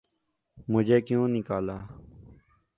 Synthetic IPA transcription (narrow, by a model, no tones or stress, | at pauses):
mʊd͡ʒʱeːkjõːnɪkaːlaː